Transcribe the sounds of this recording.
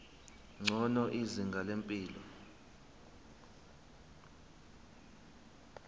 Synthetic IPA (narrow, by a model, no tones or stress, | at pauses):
ŋ͡ǀʱɔnɔʔiziŋɡʱalempʼiːlɔ